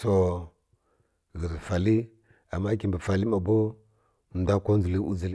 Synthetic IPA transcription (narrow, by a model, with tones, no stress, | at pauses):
so˨ | ɣi˨ɾfa˨li˦ | a˨mːa˦ki˨mbə˨fa˨li˦ma˨bo˦˨ | n˦da˦ko˦n˦zu˨li˦u˦zi˨l